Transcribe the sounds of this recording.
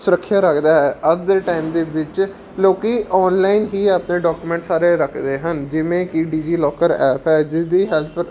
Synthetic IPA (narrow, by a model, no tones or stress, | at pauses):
sʊɾəkʰːjaːɾəkʰd̪aːɦɛːəɡd̪eːʈaːɪimd̪eːʋɪt͡ʃ | loːkiɔːnlaːɪnɦiːaːpnẽːɖɔːkuːmɛ̃ːɳʈsaːɾeːɾəkʰd̪eːɦənd͡ʒɪʋẽːkiɖiːd͡ʒiːlɔːkəɾɛːpʰɛːd͡ʒɪsd̪iːɦɛːltʰ